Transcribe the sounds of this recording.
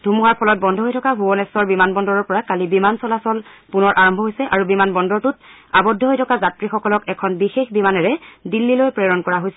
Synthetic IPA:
dʱumuɦaɹpʰɔlɔt̚bɔndʱɔɦojtʰɔkabʱubɔnɛsɔɹbimanbɔndɔɹɔɹpɔɹakalibimansɔlasɔlpunɔɹʔaɹɔmbʱɔɦojsɛʔaɹubimanbɔndɔɹtut̚ | abɔdʱːɔɦojtʰɔkazatɹixɔkɔlɔkɛkʰɔnbixexbimanɛɹɛdilːilojpɹɛɹɔnkɔɹaɦojsɛ

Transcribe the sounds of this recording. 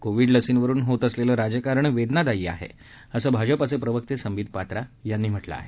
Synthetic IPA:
koʋiːɖləsiːnʋəɾuːnɦot̪əsleləːɾad͡ʑəkaɾəɳʋed̪nad̪ajiːa̰ɦḛ | əsəːbʱad͡ʑəpəsepɾəʋək̚t̪esəmʋiːd̪̚ʱpat̪ɾajanːiːm̤əʈla̰a̰ɦe

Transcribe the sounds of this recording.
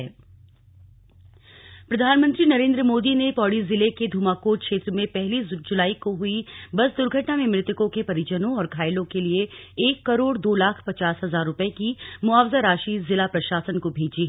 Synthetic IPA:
ɛː | pɾɐd̪ʱaːnmə̃nt̪ɾinɐɾẽːnd̪ɾəmoːd̪inepɔːɽizɪleked̪ʱuːmaːkoːkʃeːt̪ɾəmẽpɛɦlid͡ʒʊlaːikoɦʊibɐsd̪ʊɾɡʱɐʈnamẽmɾɪt̪ɪkõkepɐɾɪd͡ʒənõɔːɾkʰaːɪlõkelieeːkːɐɾoːɽd̪oːlaːkʰpɐt͡ʃaːsɦɐzaːɾːʊpekimʊaːʋzaɾaːʃizɪlapɾɐʃaːsənkobʱeːd͡ʒiɦɛ

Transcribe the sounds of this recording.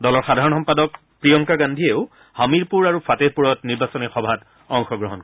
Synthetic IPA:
dɔlɔɹxadʱaɹɔnxɔmpadɔk̚ | pɹijɔŋkaɡandʱieʊ | hamiɹpuɹaɹufateɹpuɹɔtniɹbasɔnɛxɔbʱat | ɔŋxɔɡɹɔɦɔnkɔ

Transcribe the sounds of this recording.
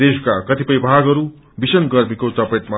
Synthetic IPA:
eskakʌt̪ipʌjbʱaɡɦʌɾu | bisʌnɡʌrmikot͡sʌpeʈ̪ma

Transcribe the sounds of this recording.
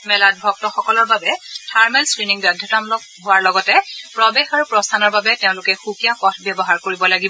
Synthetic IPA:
mɛlad̚bʱɔk̚tɔxɔkɔlɔɹbabɛtʰaɹmɛlskɹiniŋbadʱutamlɔ | ɦʊwaɹlɔɡɔtɛpɹɔbexaɹupɹɔstʰanɔɹbabɛteʊ̃lʊkɛxukijakɔtʰbjɔbɔɦaɹkoɹibɔlaɡibɔ

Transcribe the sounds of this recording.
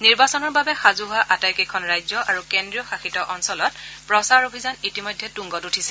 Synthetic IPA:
niɹbasɔnɔɹbabɛxazuɦʊaʔatajkekʰɔnɹajzjɔʔaɹukendɹijɔxaxitɔʔɔnsɔlɔt̚pɹɔsaɹobʱizanitimɔjdʱːɛtuŋɡɔtutʰisɛ

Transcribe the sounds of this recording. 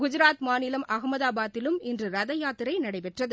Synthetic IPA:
ɡʊd͡ʒɪɾaːt̪maːnɪlɐmɐɣmɐðaːbaːt̪ːɪlɯmɪndrɯɾɐðɐjaːt̪ːɪɾɐɪnɐɽɐɪpɛʈrɐðɯ

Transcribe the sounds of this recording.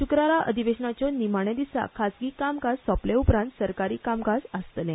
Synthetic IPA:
ɕukɾaɾaʔəd̪ʱiʋeɕɳat͡ɕjɔnimaɳ̃ẽd̪isa̰kʰasɡiːkamɡassɔpleupɾãnt̪səɾkaɾiːkamɡasəst̪lẽ

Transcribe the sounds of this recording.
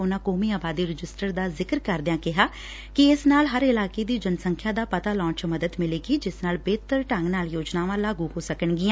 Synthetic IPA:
ʊnãːkoːmiːaːbaːd̪iːɾɪd͡ʒɪsʈəɾd̪aːzɪkəɾkəɾd̪ɪjãːkɪɦaː | kɪɪsnaːlɦəɾɪlaːkeːd̪iːd͡ʒənsəŋkʰjãːd̪aːpət̪aːlɔ̃ːt͡ʃməd̪əd̪mɪleːɡiːd͡ʒɪsnaːlbeːt̪əɾʈə̃ŋɡnaːljoːd͡ʒnaːʋãːlaːɡuɦoːsəkəɳɡɪãː

